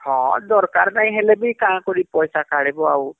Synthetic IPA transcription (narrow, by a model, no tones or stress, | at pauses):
hɔ̃d̪ɔɾkaɾnaĩɦelebikaãkɔɾipɔjsakaɽebɔa̰w